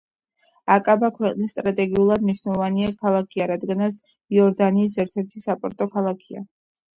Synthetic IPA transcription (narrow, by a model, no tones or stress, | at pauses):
akʼabakʰwɛqʼnisːt̪ʼɾat̪ʼɛɡiulˠad̪mniʃwnɛlˠɔvaniakʰalˠakʰiaɾad̪ɡanat̪s | iɔɾd̪aniːs̬ɛɾt̪ʰɛɾt̪ʰisapʼɔɾt̪ʼɔkʰalˠakʰia̰